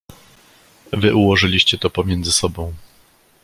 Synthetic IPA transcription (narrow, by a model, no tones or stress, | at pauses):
vɘʔuwɔʐɘlʲiɕt͡ɕɛt̪ɔpɔmʲjɛnd̪zɘsɔbɔ̃w̃